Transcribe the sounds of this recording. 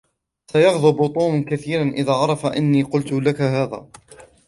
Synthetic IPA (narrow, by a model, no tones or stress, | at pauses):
sajɑɣðˤʊbʊt̪ˤuːmkaθiːɾanʔɪðaːʕɑɾˤɑfaʔanːiːqʊlt̪ʊlakaɦaːða̰ː